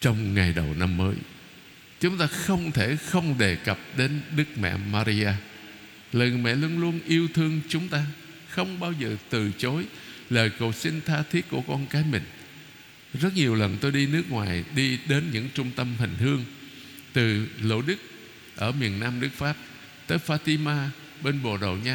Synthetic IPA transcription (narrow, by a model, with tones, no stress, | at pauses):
t͡ɕɔ˧wŋ͡mŋa˨˩jɗə˨˩wna˧mːəː˨˦j | t͡ɕʊ˨˦ŋ͡mt̪aː˧xə˧wŋ͡mt̪ʰe˧˩xə˧wŋ͡mɗe˨˩kə˨˩p̚ɗe˨˦nɗɨ˦˥k̚mɛ̰˧˨maː˧ɾi˧ʔaː˧ | ləː˨˩jŋɨ˨˩jmɛ̰˧˨lu˧ənlu˧ənʔi˧əwt̪ʰɨ˧əŋt͡ɕʊ˨˦ŋ͡mt̪aː˧ | xə˧wŋ͡mɓaː˧wzəː˨˩t̪ɨ˨˩t͡ɕo˨˦jləː˨˩jko̰˨˩sï˧ŋt̪ʰaː˧t̪ʰi˦˥t̚ku˧˩əkɔ˧nkaː˨˦jmï˨˩ŋ̟ | zə˦˥t̚ɲi˨˩əwlə˨˩nt̪o˧jɗi˧nɨ˦˥ək̚ŋwa̰ː˨˩jɗi˧ɗe˨˦nɲɨ̰˧˥ŋt͡ɕʊ˧ŋ͡mt̪ə˧mhï˨˩ŋ̟hɨ˧əŋ | t̪ɨ˨˩lo̰˧˩ɗɨ˦˥k̚ | ʔəː˧˩mi˨˩ənːaː˧mɗɨ˦˥k̚faː˦˥p̚ | t̪əː˨˦jfaː˧t̪i˧maː˧ | ɓe˧nɓo̰˧˩ɗo̰˧˨ɲaː˧